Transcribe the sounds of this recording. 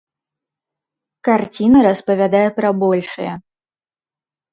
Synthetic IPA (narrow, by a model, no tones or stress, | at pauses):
kart͡sʲinɐɾɐspɐvʲad̪ajɛpɾɐbɔlʲʂɨjɛ̰